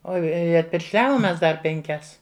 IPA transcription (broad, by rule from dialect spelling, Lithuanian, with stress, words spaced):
ˈoː ˈɪ ɐtʲpʲɪrʲʃʲˈlʲæːʋoːm ˈmʲɛs ˈdɐr pʲɛŋʲˈkʲɛs